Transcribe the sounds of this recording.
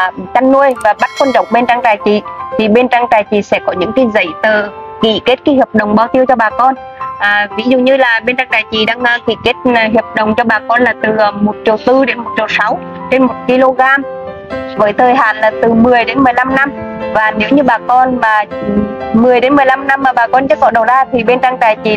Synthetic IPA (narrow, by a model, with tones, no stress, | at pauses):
t͡ɕa˧ŋːu˧əjvaː˨˩ɓa˦˥t̚kwə˧nt͡ɕɔ̰˧˨wŋ͡mɓe˧nt͡ɕaː˧ŋt͡ɕaː˨˩jt͡ɕḭ˨t̪ʰi˨˩ɓe˧nt͡ɕa˧ŋt͡ɕaː˨˩jt͡ɕḭ˨˩sɛ̰˧˥kɔ˨˦ɲɨ̰˧˥ŋki˧zə̰˧˩jt̪əː˨˩kḭ˧˩ke˦˥t̚kaː˨˦hə˨˩p̚ɗə̰˨˩wŋ͡mɓaː˧wt̪i˧əwt͡ɕɔ˧ɓaː˨˩kɔ˧n | ʔːvi˨˦zṵ˧˨ɲɨ˧laː˨˩ɓe˧nt͡ɕa˧ŋt͡ɕaː˨˩jt͡ɕḭ˨˩ɗaː˧ŋ˧kḭ˧˩ke˦˥t̚ɦi˨˩əp̚ɗə̰˨wŋ͡mt͡ɕɔ˧ɓaː˨˩kɔ˧nlaː˨˩t̪ɨ˨˩˨mo˨˩t̚t͡ɕi˨˩əwt̪ɨ˧ɗe˨˦nmo˨˩t̚t͡ɕi˨˩wsa˨˦w | t͡ɕe˧nmo˨˩t̚ki˧lo˧ɣaː˧m | vəː˨˦jt̪ʰəː˨˩jɦa̰ː˧˨˩nlaː˨˩t̪ɨ˨˩mɨ˨˩əjɗe˨˦nmɨ˨˩əjla˧mna˧mvaː˨˩ne˨˦wɲɨ˧ɓaː˨˩kɔ˧nmaː˨˩ | mɨ˨˩əjɗe˨˦nmɨ˨˩əjla˧mna˧mːaː˨˩ɓaː˨˩kɔ˧nt͡ɕɨ̰˦˥kɔ˨˦ɗə˨˩wzaː˧t̪ʰi˨˩ɓe˧nt͡ɕa˧ŋt͡ɕaː˨˩jt͡ɕi˨˩